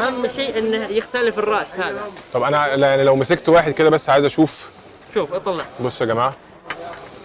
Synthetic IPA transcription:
ʔæhæmːʃeːʔʔenːjext̪ælɪfɪrˤːɑʔshæːðæt̪ˤɑbʔænæljaʕnilæwmæsekt̪waːħed̪̚ked̪æbæsːʕaːjezʔæʃuːf | ʃuːfʔɑt̪ˤɑlːɑʕbosːæɡæmaːʕa

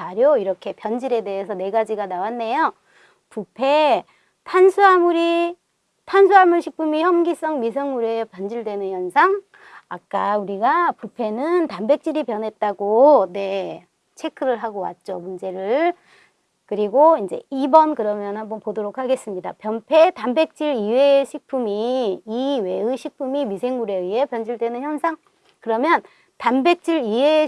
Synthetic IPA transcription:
aɾjoiɾʌkʰe̞pjʌnd͡ʑiɾe̞de̞esʰʌne̞ɡad͡ʑiɡanawanːe̞jo | pupʰe̞ | tʰansʰuɦamuɾi | tʰansʰuɦamɯɭɕʰik̚pʰɯmiçjʌmɡis͈ʌŋmis̬ʰʌŋuɾepjʌnd͡ʑiɭdwe̞nɯnjʌnsʰaŋ | a̰k̚k͈auɾiɡapupʰe̞nɯntambe̞k̚t͡ɕ͈iɾipjʌnɦe̞t̚t͈aɡone̞ | t͡ɕʰe̞kʰɯɾɯɭɦaɡowa̰t̚t͡ɕ͈omund͡ʑe̞ɾɯɭ | kɯɾiɡoind͡ʑe̞̰ibʌnkɯɾʌmjʌnɦambʌnpodoɾokʰaɡe̞s͈ɯmɲida̰pjʌnpʰe̞tambe̞k̚t͡ɕ͈iɾiweɕʰik̚pʰumiː | we̞ɯɕʰik̚pʰumimisʰe̞ŋuɾe̞ie̞pjʌnd͡ʑiɭdwe̞nɯnçjʌnsʰaŋ | kɯɾʌmjʌn | tambe̞k̚t͡ɕ͈iɾie

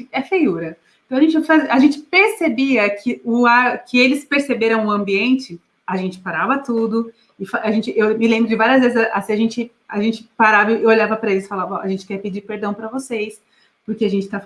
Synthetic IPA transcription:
ɛfejuɾɐ̃ | t̪ɐ̃w̃ɐʒẽt͡ʃɪfazɐʒẽnt͡ʃɪ̥peɾsebiɐkʰɪʊakɪelɪspeɾsebeɾɐ̃w̃ũɐ̃mbiẽnt͡ʃɪ | ɐʒẽnt͡ʃɪ̥paɾavɐt̪ud̪ʊ | ɪfaʒẽnt͡ʃɪʔewmɪlẽmbɾʊd͡ʒɪvaɾiɐzvezɪzɐʔasiɐʒẽnt͡ʃɪ | aʒẽnt͡ʃɪ̥paɾavɐɪeoʎavɐpɾɐelɪsfalavɐ̃ɐ̰ʒẽnt͡ʃɪ̥kɛɾpɪd͡ʒiɾpeɾd̪ɐ̃w̃pɾɐvosejs | pʊɾkeaʒẽnt͡ʃɪ̥t̪a

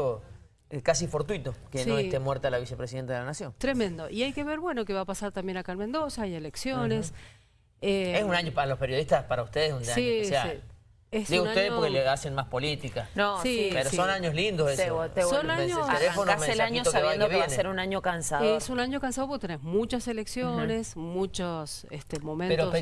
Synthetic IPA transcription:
o | kasifo̞ɾt̪wit̪okesnoest̪emweɾt̪alaβisepɾesiðent̪eðeanasjoŋt̪ɾemẽnd̪oʔiajke̞βe̞ɾβwe̞no̞keβapasaɾt̪ambje̞nakalmẽnd̪o̞saajeleksjones | eesunaɲopaɾalohpeɾjo̞ð̞iht̪aspaɾaust̪eðesunaiseai | esd̪iɣunteðepoɾkeleasenmaspo̞lit̪ikanosieɾosionaɲoslind̪osesesonaɲoelefonoamẽelaɲosoaβjed̪oβenaseɾunaɲokansaesunaɲokans̬aðopoket̪enezmut͡ʃaseleksjone̞smut͡ʃos | est̪emõ̞mẽneɾoo

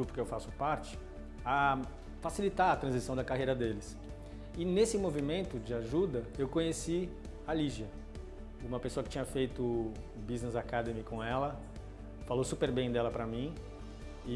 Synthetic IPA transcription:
upʊɾkeewfasʊ̥paɾt͡ʃɪ̥ | ɐ | fasilit̪aɾɐt̪ɾɐ̃zisɐ̃w̃d̪ɐkaɦejɾɐd̪elɪs | ɪnesɪmovimẽnt̪ʊd͡ʒɪaʒud̪ɐewkõɲesi | aliʒiɐ | ũmɐpesoɐkɪ̥t͡ʃĩɲɐfejt̪ʊ | biznezakad̪emɪkõɛlɐ | falowsupeɾbẽj̃d̪ɛlɐpɾɐmĩ | ɪ

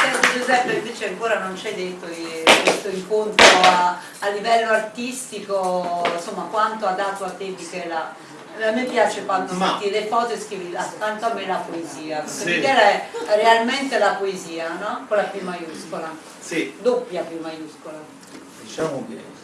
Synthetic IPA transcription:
sɛosed͡ʒuzɛpːeiɱveːt͡ʃeaŋkoːɾanont͡ʃɛjd̪et̪ːoikwest̪oiŋkont̪ɾoa | alːivɛlːoart̪ist̪ikonsomːakwant̪oad̪at̪ːoat̪ːebikɛla | amːepːjaːt͡ʃekwant̪omet̪ːilefɔt̪oeskɾiviat̪ːant̪oamːelapoeziːakekːeikɛlaɛrealment̪elapoeziːanɔkolːapimajuskola | id̪opːjapumajuskola | d̪it͡ʃaoe

